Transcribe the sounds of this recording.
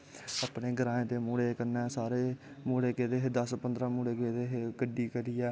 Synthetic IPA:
aːpneːɡəɾãːẽːt̪eːmuːɽeːkəɾnɛːsaːɾeː | muːɽeːkeːd̪eːɦed̪əspənd̪ɾãːmuːɽeːkeːd̪eːɦɡəɖiːkəɾiːɛː

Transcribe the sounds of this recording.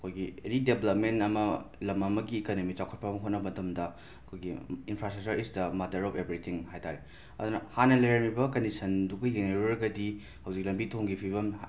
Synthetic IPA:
ɐkʰojɡieɾideblɐp̚mentɐmɐlɐmɐmɐɡiːkonomit͡ʃawkʰɐt̚pɐmɐɦot̚nɐbɐtʰɐmdɐ | ɐkʰojɡiːnpʰɾastɾɐk̚t͡ʃɐɾisdɐmɐdɐɾɔpʰebɾit̪ʰiŋhajtʰaɾe | ɐ̰d̪unɐhanɐlɐjɾɐmibɐkɐndisʰɐnduɡɐd͡ʒeneɾoɾɡɐdi | hɐwzik̚lɐmbitʰoŋɡipʰiβɐm

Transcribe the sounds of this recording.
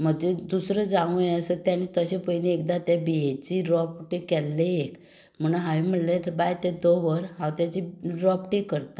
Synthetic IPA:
m̤əɡd͡ʑed̪usɾəd͡zãʋũjẽəsət̪janit̪əɕẽpəjniek̚d̪at̪ebijet͡ɕiɾɔpʈekːɛlːeek | m̤ənɦaʋim̤əɽlet̪bajt̪ed̪oʋəɾɦãwt̪jat͡ɕiɾɔpʈekːəɾt̪a

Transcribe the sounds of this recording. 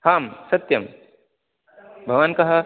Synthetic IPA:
haːmsɐt̪jɐm | bʱɐʋankɐɦɐ

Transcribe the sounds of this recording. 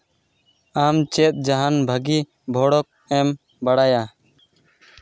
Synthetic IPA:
amt͡ʃet̪̚ˀd͡ʒaɦanbʱəɡi | bʱɔɽɔk̚ɛm | bəɽaja

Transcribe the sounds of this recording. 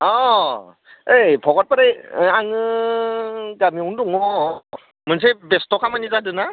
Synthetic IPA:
ɔ | ejpʰɔɡat̚paɾɯjaŋɯ | ɡamiɔndɔŋɔ | mɯns̬ebestʰɔkʰamanizadɯna

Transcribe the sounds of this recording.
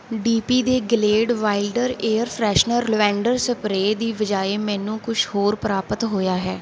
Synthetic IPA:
ɖiːpiːd̪eːɡɪleːɖʋaːɪlɖəɾeːəɾpʰɾɛːʃnəɾlʋɛ̃ːɳɖəɾsəpɾeːd̪iːʋəd͡ʒaːeːmɛ̃ːnũːkʊt͡ʃʰhoːɾpəɾaːpət̪ɦoːjaːɦɛː

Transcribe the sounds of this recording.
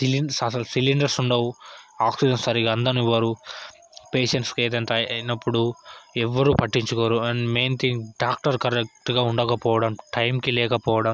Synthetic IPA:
siliɐsɐlsiliɳɖɐɾsuɳɖɐwuaːksid͡ʒɐnsɐɾiɡaɐnd̪ɐniʋɐːɾu | peːʃeɳʈskeːd̪ɐɳʈ̪ɐɐjnɐpːuɽuɛʋːɐɾuːpɐʈːiɲt͡ʃukoːɾuɐɳɖmeːnt̪ʰiŋɡɖaːk̚ʈɐɾkɐɾek̚ʈɡaːuɳɖɐkɐpɔːʋɐɽɐmʈɐjmkilɛːkɐpɔːʋɐɽɐm

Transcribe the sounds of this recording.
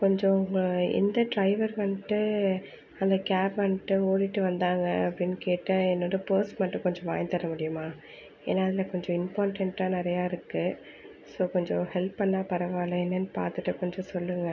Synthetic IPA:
kɔɲd͡ʒɔ̃ʊŋɡɐɛ̰nd̪ɐɖɾɐɪʋɐɾʋɐnʈːɯ | ɐnd̪ɐkaːɾpɐnːʈːɯoːɾiʈːɯʋɐnd̪aːŋɡɐːpːɐɽɪnːkeːʈːɐɛnːoːɽɯpoːsʈmɐʈːɯ̃kɔɲd͡ʒɔ̃ʋa̰ːjnt̪ɐɾɐmʊɽɪjɯmaː | ḛːnːaːɐðɪlɐkɔɲd͡ʒɔ̃ɪmpaːɾʈɐɳʈːãːnɪɾɐjaːɪɾɯkːɯ | soːkɔɲd͡ʒɔ̃hɛlpːɐnːaːpɐɾɐʋaːlɐɛnːɐnːɯpa̰ːɾt̪ɯʈːɯkɔɲd͡ʒɔ̃sɔlːɯŋɡɐ

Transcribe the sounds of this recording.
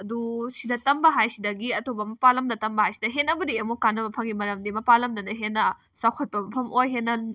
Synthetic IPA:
ɐdusidɐtɐmbɐɦajsidɐɡiɐtobɐmɐpalɐmdɐtɐmbɐhajsi̥dɐɦenːɐbɐdiemukanːɐbɐpʰɐŋɡimɐɾɐmdimɐpalɐmdɐnɐɦenːɐ | sawkʰɐt̚pɐmɐpʰɐmojɦenːɐ

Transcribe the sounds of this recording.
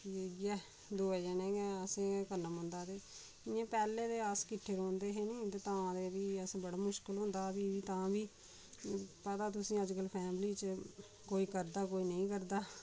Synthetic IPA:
jeːɡɛː | d̪oːɛːd͡ʒɛːnẽːɡɛːəsẽːkənːəmə̃nd̪aːd̪eː | ɪãːpɛːleːd̪eːaskɪʈʰːeːɾõːnd̪eːɦeːnĩːt̪eːt̪ãːd̪eːʋiːəsẽːbəɽaːmʊʃkəlɦõːnd̪aːbiːʋiːt̪ãːbiː | pət̪aːt̪̬ʊsĩːəd͡ʒkəlpʰɛːmliːt͡ʃə | koːiːkəɾd̪aːkoːiːnəĩːkəɾd̪aː

